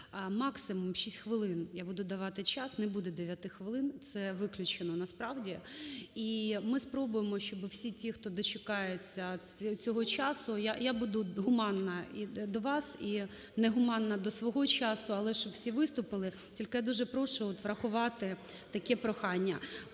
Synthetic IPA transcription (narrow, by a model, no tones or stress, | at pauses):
mɑksɪmʊmʃʲisʲtʲxʋɪlˠɪnjabud̪ʊd̪ɐʋɑt̪ɪt͡ʃɑsnɛbud̪ɛd̪eʋʲjat̪ɪxʋɪlˠɪnt̪sɛʋɪklʲʊt͡ʃenɔnɐspɾɑʋdʲiimɪspɾɔbʊjemɔʃt͡ʃɔbɪwsʲitʲixt̪ɔd̪ɔt͡ʃekɑjet͡sʲːɐt͡sʲɔɦɔt͡ʃɑsʊjajabud̪ʊɦʊmɑnːɐid̪ɔʋɑsi | nɛɦʊmɑnːɐd̪ɔsʋɔɦɔt͡ʃɑsʊɐlˠɛʃt͡ʃɔbwsʲiʋɪst̪ʊpɪlˠɪ | tʲilʲkɪjad̪uʒɛpɾɔʃʊɔt̪ʋɾɐxʊʋɑt̪ɪ | t̪ɐkɛpɾɔxɑnʲːɐ